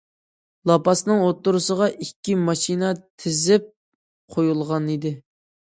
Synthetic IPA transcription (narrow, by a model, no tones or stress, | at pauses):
lˠɑpɑsnɨŋot̪ːuɾusəʁɑʔikʲːimɑʃinɑt̪ʰɪzɪp̚ | qʰojulˠʁɑnid̪ɪ